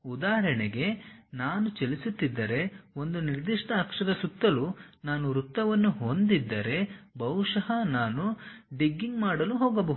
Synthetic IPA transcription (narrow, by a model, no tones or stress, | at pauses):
ud̪aːɦɐɾɐɳɛɡe̞naːnut͡ʃelisut̪ːid̪ːɐɾe̞o̞nd̪uniɾd̪iʂʈɐɦːkʂɐd̪ɐsut̪ːɐlunaːnuɾut̪ːɐʋɐnːuɦond̪id̪ːɐɾe̞bɐwʂɐɦɐnaːnuɖiɡːiŋɡmaːɽɐluɦoːɡɐbɐɦ̪u